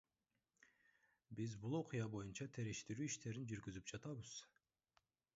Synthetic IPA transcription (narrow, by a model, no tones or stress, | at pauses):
bizbulˠo̞qɨjɑbo̞junt͡ʃɑt̪ʰeɾiʃt̪iɾyːiʃt̪e̞ɾind͡ʒyɾɡyzyp̚d͡ʒɑt̪ɑβɯz̥